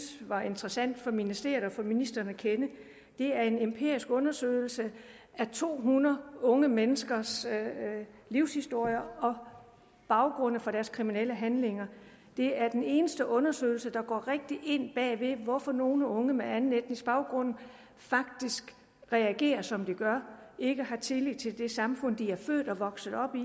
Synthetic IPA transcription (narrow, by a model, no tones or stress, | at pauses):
sʋɑ̈ʔe̝nd̥ʁɐsæn̰d̥fɒ̽minisd̥e̝̰ɐɒfɒ̽minisd̥ɐnækʰenə | d̥e̝æɐe̝nempʰe̝̰ɐ̰isɡ̥ɔ̽nɐsø̰ɪl̩sə | ʔæt͡sʰo̝̰ːɦunɐðˠɔ̽ŋəmenəsɡ̥ɐs | liʊ̰shisd̥o̝ɐ̰jɐɒ̽ | b̥ɑ̈ʊɡ̥ʁɔ̽n̰n̩fɒ̽ɾ̥æɐskʰʁiminel̰əɦænle̝ŋɐ | d̥e̝æɐd̥ene̝ːnəsd̥əʔɔ̽nɐsø̰ɪl̩səd̥ɑ̈ɡ̥ɒ̰ːʁeɡ̥̚d̥iʔe̝n̰b̥ɛ̰ːʋe̝ʋɒfɒ̽no̝ːnəɔ̽ŋəmeænn̩ed̥nisb̥ɑ̈ʊɡ̥ʁɔ̽n̰̩ | fɑ̈ɡ̥̚d̥isɡ̥ | ʁɛæɡ̥e̝̰ːɐsɒ̽md̥iɡ̥ɶɐʔe̝ɡ̥əhɑ̈t͡sʰe̝li̥t͡sʰe̝ld̥e̝sɑ̈mfɔ̽n̰d̥iæɐfø̰ːd̥ɒ̽ʋɒ̽ɡ̥sð̩ˠɒ̽b̥i